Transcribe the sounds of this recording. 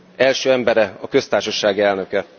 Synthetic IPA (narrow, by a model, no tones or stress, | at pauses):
ɛlʃøːɛmbɛɾɛɒkø̞st̪aːrʃɒʃaːɡiɛlnø̞kɛ